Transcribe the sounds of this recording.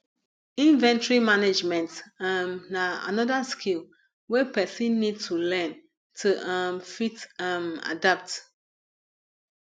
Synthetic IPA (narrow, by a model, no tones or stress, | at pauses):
ĩnvɛ̃ntɹimaned͡ʒmɛ̃ntamnaa̰nɔdaskʰilˠ | wɛpɛsĩnːid̚tʰulɛ̃n | tʰuʔãmfitama̰dap̚t